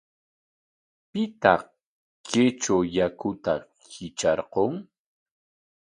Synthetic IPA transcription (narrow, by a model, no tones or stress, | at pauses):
pɪt̪ɑχ | kʰet͡ʃawjakʊt̪a | khɪt͡ʃɑɾqoŋ